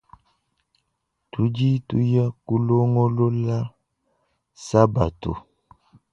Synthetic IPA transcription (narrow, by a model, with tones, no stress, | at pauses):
tu˨˦d͡ʒi˦tu˨˦ja˦ku˦lo˦ŋɔ˦lo˦la˦ | sa˦ba̰˨to̰˨